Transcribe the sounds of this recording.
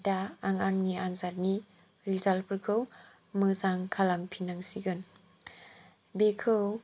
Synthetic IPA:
daaŋaŋniʔanzat̚ni | ɾizalpʰkʰɯw | mɯzaŋkʰalampʰinaŋsiɡɯn | bekʰɯw

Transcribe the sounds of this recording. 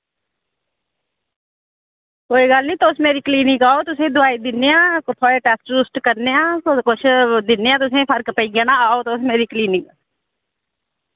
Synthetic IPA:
koːiɡəlnĩt̪oʊsmeːɾikliːnɪkaːot̪ʊsẽd̪ʊaːid̪ɪnːeãːkʊt̪ʰoːeʈɛːsʈɾusʈkəɾneãːkʊt͡ʃʰd̪ɪneãːt̪ʊsẽpʰəɾkpəiɡanãaːot̪oʊsmeːɾikliːnɪk

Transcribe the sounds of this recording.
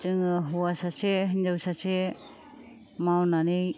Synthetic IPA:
tɯŋɯɦuwasaseɦind͡ʒawsase | mawnanɯj

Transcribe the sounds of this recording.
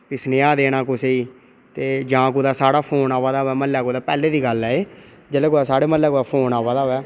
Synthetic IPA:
pisneaːd̪eːɽ̃aːkʊseiː | t̪eːd͡ʒãːk̬oːd̪aːsaːɽaːpʰoːnaːʋaːd̪aːɦoɛːməlːɛːkoːd̪aːpɛːleːd̪iːɡəlɛːeː | d͡ʒəleːkoːaːsaːɽeːməlːɛːkoːd̪aːpʰoːnaːʋaːd̪aːɦoɛː

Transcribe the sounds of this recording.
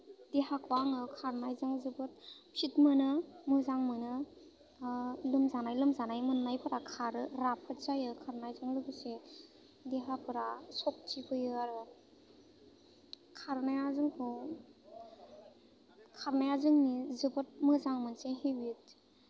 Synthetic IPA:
d̥eɦakʰuaŋɯkʰaɾnajzɯŋzɯbɯt̚pʰitmɯnɯmɯzaŋmɯnɯ | lɯmzanajlɯmzanajmɯnːajpʰɯɾakʰaɾɯɾapʰɯtzajɯkʰaɾnajzɯŋzɯbɯse | deɦapʰɯɾasɔk̚tʰikʰɯjɯaɾɯ | kʰaɾnajazɯŋkʰɔ | kʰaɾnajazɯŋnizɯbɯt̚mɯzaŋmɯnseɦewit̚

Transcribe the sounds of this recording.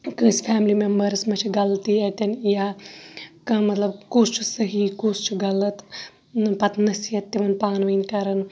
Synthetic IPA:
kɨ̃ːsfʰæːmlimembɐɾsmɐt͡ʃʰiɡɐlt̪iɐʈ̪ʲɐnjaː | kɐmɐt̪lɐbkuːst͡ʃʰusɐɦiːkuːst͡ʃʰuɡɐlɐt̪ | pɐt̪nɐsijɐt̪ːiʋɐnpaːnʋɐnkɐɾɐn

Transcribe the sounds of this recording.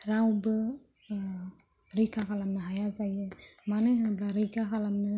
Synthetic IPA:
ɾawbɯ | ɾijkakalamnɯɦajazajɯmaneɦbɾaɾɯjkakalamnɯ

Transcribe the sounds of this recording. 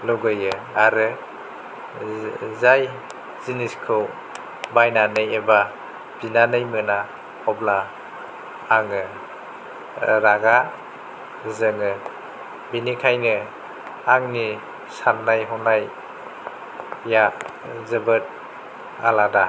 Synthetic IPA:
lɔɡɯjɯaɾɯ | zaj | ziniskʰɯw | bajnanɯjeba | b̥inanɯjmɯna | ɔbla | ŋɯ | ɾaɡa | zɯŋɯ | binikʰajnɯ | aŋni | sannajɦɔnaj | ja | zɯbɯt̚ | alada

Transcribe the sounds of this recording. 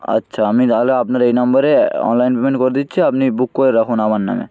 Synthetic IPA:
ə̰tːʃʰaamit̪aɦoleapnaɾejnambaɾeɔ̰nlajnpemeɳʈkoɾed̪itːt͡ɕʰiapnibukːoɾeɾakʰunamaɾna̰mḛ

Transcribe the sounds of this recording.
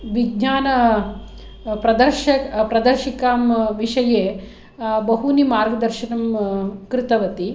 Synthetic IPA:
ʋiɡ̚ɲaːnɐ | pɾɐd̪ɐɾʃɐpɾɐd̪ɐɾʃikaːmʋiʂɐjeː | bɐɦunimaːɾɡɐd̪ɐɾʃɐnɐmkɾɪt̪ɐʋɐt̪i

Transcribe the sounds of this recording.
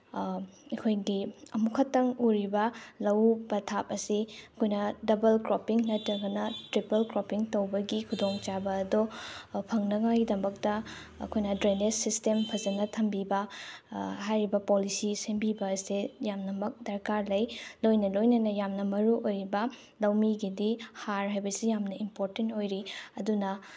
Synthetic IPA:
ɐkʰojɡiɐmukʰɐtːɐŋuɾibɐlɐwbɐtʰapɐsiɐkʰojnɐdɐbɐlkɾopiŋnɐtːɐɡɐnɐtɾipɐlkɾopiŋtɐwbɐɡikʰudoŋt͡ʃabɐːdopʰɐŋnɐŋajidɐmɐk̚tɐ | ɐ̰kʰojnɐdɾenessistempʰɐzɐnɐtʰɐmbibɐ | ɦajɾibɐpolisisembibɐsejamnɐmɐk̚dɐɾkaɾlɐjlojnɐlojnɐnɐjamnɐmɐɾuʔojɾibɐ | lɐwmiɡidihaɾɦajbɐsijamnɐimpoɾtentojɾiɐdunɐ

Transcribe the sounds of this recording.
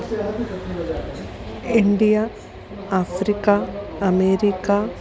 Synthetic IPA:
iɳɖijɐ | aːfɾikːɐɐmeːɾikːɐ

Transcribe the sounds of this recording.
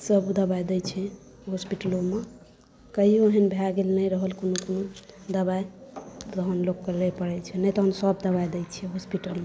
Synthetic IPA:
səbd̪əbajd̪ɛt͡ʃʰɛ | ɦospiʈəlome | kəɦioɦənbʱjaɡelnəjɾəɦəlkonokonod̪əbajt̪ɔɦənloɡkːəɾlepəɾɛjt͡ʃʰɛnɛjt̪ɔɦənsəbd̪əbajd̪ɛt͡ʃʰiɛɦospiʈəlme

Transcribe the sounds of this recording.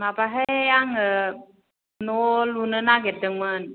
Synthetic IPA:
mapaɦeejaŋə | nolunənaɡedəŋmən

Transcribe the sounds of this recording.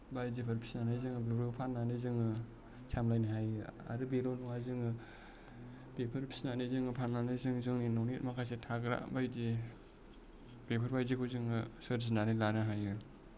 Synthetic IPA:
bajzipʰaɾpʰi̥snanajzɯŋɯbeɾopʰanːanizɯŋɯ | sʰamlajnaɦajɯa̰ɾɯbeɾonuŋhajzɯŋɯ | bepʰɯɾpʰi̥snanizɯŋɯpʰananizɯŋzɯŋninɔwnit̚makʰasetʰaɡɾa̰bajdi | bepʰaɾbajzikʰuzɯŋɯsəɾzinanalanɯɦajɯ

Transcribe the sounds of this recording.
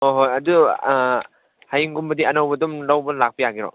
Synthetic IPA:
oɦojɐdu | hajiŋɡumbɐdiɐnɐwbɐdumlawbɐlak̚pɐjaɡiɾɔ̰

